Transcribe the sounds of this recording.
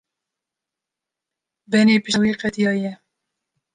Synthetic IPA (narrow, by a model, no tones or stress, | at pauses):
bɛneːpɪʃwiːqɛt̪ijɑːjɛ